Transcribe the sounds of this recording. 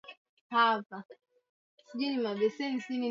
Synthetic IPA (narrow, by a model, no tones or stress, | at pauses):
hapa | sid͡ʒinimabɛsɛnisini